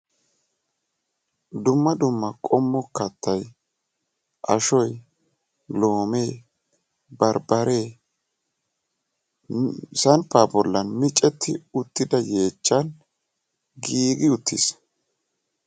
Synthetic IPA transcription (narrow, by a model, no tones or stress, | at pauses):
d̪ʊmːɐd̪ʊmːɐkʼɔmːɔkːɐt̪ːɐj | ʔɐ̰ʃɔj | lo̞ːmeː | bɐɾbɐɾe̞ː | sɐnpːaːbɔlːɐnmɪt͡ʃʼːɛt̪ʰːɪʊt̪ːɪd̪ɐje̞ːt͡ʃːɐn | ɡiːɡɪʊt̪ʰːḭs